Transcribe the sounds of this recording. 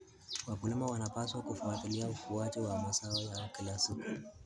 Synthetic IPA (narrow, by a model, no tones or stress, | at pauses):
wakulimawanapaswakufuat̪iliaufuatiwamasaɔjakilasuk